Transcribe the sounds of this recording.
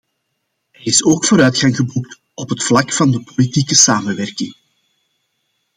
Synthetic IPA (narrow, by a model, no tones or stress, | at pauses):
ɦɛɾɪsoːkfoːɾœːtxɑŋɣəbuk̚t | ɔpɦətflɑkfɑndəpolitiːkəsaːmənwɛrkɪŋ